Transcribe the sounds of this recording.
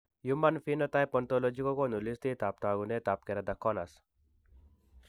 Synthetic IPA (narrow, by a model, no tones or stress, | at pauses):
jumanfinɔt̪ajpɔnt̪ɔlɔd͡ʒikɔkonulist̪it̪ap̚t̪aːɡunet̪ap̚kɛɾad̪ɐkʰːɔnas